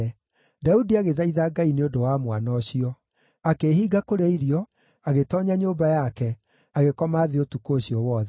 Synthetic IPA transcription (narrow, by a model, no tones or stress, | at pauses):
ɛ | daudiaɣeðaiðaɡaineodowamwanɔɕiɔ | akeɦiːɡakoɾeaiɾiɔ | aɣetɔɲaɲoːbajakɛ | aɣekɔmaːðeotukoːɕijɔwɔðɛ